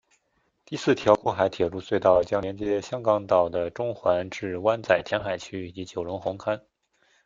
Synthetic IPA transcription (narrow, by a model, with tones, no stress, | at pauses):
t̪i˥˧sɹ̩˥˩t̪ʰjɑ˧˥ʊkwɔ˥˩xa˧˥ɪt̪ʰjɛ˨˩ɻu˥˧swe˥˧ɪt̪ɑ˥˩ʊt͡ɕjɑ˥ŋljɛ˧˥nt͡ɕjɛ˧˥ɕjɑ˥ŋkɑ˧˥ŋt̪ɑ˨˩ʊd̪ə˦ʈ͡ʂʊ˥ŋxwa˧˥nʈ͡ʂɻ̩˥˩wa˥nt͡sa˥˩ɪt̪ʰjɛ˧˥nxa˨˩ɪt͡ɕʰy˥i˨˩t͡ɕi˧˥t͡ɕjo˨˩ʊɻʊ˧˥ŋxʊ˧˥ŋkʰa˥n